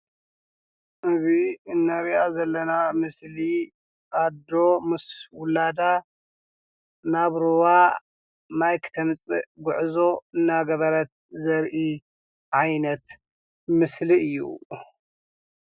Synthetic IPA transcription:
ʔɨziɨnːɐɾiʔazɐlːɐnamɨsli | ʔad̪omɨswʊlad̪a | naβɾɨwa | majkʰɨ̥t̪ʰɐmt͡sʼɨɡʊʕzo̞ɨnːaɡɐβɐɾɐt̪̚zɐɾʔi | ʕajnɐt̪ | mɨsliɨjːṵ

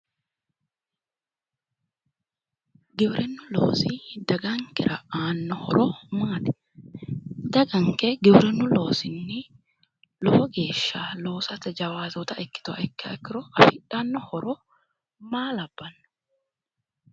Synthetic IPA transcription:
ɡɪwɾʔɛnːʊlo̰ːsid̪ɐɡɐŋkɪɾɐaːnːɔhɔɾɔmaːt̪ɛ̥ | d̪ɐɡɐŋkɛɡɪwɾɛnːʊlo̞ːsɪnːɪ | lɔfɔɡe̞ːʃːaːlo̞ːsɐt̪ɛd͡ʒɐwaːzɔt̪ɐɛkːɪ̥t̪ʊɐ̰ʔɛkːɪɐkːɪɾɔʔɐfɪᶑanːɔhɔɾɔ | maːlɐbːɐnːɐ̥

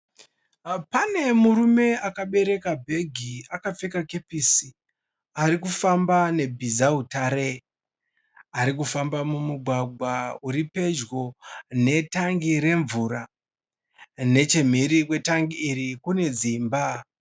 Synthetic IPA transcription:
pane̞muɾume̞akaɓe̞ɾe̞kabʱe̞ɡʱiakap͡fe̞kakepisi | aɾikufambane̞bʱizautaɾe | aɾikufambamumuɡʱwaɡʱwauɾipe̞d͡ʒɡo̞ne̞taŋɡiɾe̞ɱvuɾa | ne̞t͡ʃe̞m̤eɾikwe̞taŋɡiːrikune̞d͡zimba

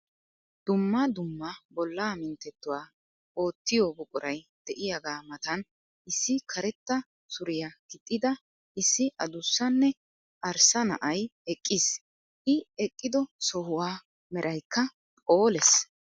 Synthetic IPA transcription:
d̪̥ʊmːɐd̪ʊmːɐbɔlːaːmɪnt̪ːɛt̪ːʊwaː | ʔo̞ːt̪ːɪjɔbʊkʼʊɾɐjd̪̥ɛʔɪjɐɡaːmɐt̪ɐn | ʔɪsːɪkʰɐɾɛt̪ːɐ | sʊɾɪjakɪt̪ʼːɪd̪ɐ | ʔɪsːɪʔɐd̪ʊsːɐnːɛ | ʔɐɾsɐnɐ̰ʔɐjɛkʼːɪs | ʔɪɛkʼːɪd̪ɔsɔhʊwaː | mɛɾʔɐjkːɐ | pʼo̞ːlɛs

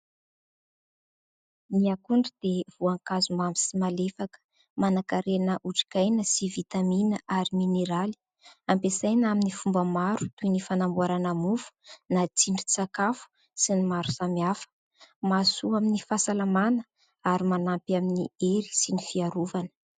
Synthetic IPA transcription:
niakuɳɖ͡ʐid̪̥ev̥uaŋkazumamisimalefakə̥ | manakaɾenəʔuʈ͡ʂi̥kajnəsivit̪aminəʔaɾimineɾali̥ | ampesajnaminifumbəmaɾut̪ujnifanambuaɾanamufu̥nat͡siɳɖ͡ʐit͡sakafu̥ | sinimaɾusamiafə̥ | masuaminifasalamanə | aɾimanampaminieli̥sinifiaɾuvanə̥

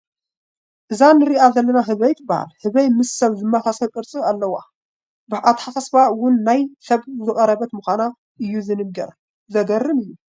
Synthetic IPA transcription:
ʔɨzanɨɾiʔazɐlːɐnaɦɨβɐjt̪ʰbaha̰lhɨβɐjmɨsːɐβzɨmːasasɐβkʼɨɾt͡sʼɨalːɐwa | bɨʔat̪ħasasbaʔwʊnːajsɐβzɨχʼɐɾɐβɐt̪muxʷana | ʔɨjːuzɨnɨɡɐɾ | zɐɡɐrːɨmɨjːu

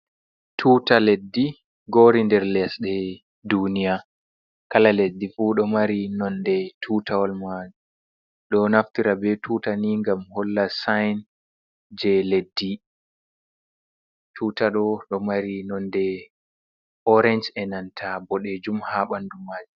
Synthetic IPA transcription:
tʰuːtaledːi | ɡoɾindɛɾlɛsɗɛ | dunija | kalaledːifuɗɔmaɾinɔndɛtʰutawɔlmad͡ʒu | ɗɔnaftiɾabɛtʰuːtaniŋɡamhɔlːasajn | d͡ʒɛledːi | tʰuːtaɗɔɗɔmaɾinɔndɛ | ʔɔɾɛnd͡ʒɛnantʰabɔɗɛd͡ʒumhaɓandumaːd͡ʒu

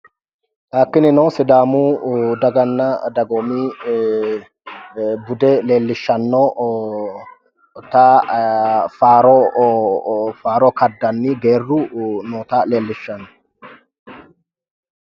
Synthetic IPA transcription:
ɐkːɪnɪnoːsɪd̪aːmuːd̪ɐɡɐnːɐd̪ɐɡɔmiː | bʊd̪ɛle̞ːlːɪʃːɐnːoː | t̪aː | faːɾo | faːɾɔːkɐd̪ːɐnːiːɡeːrːunɔːt̪aːleːlːɪʃːɐnːɔ̥

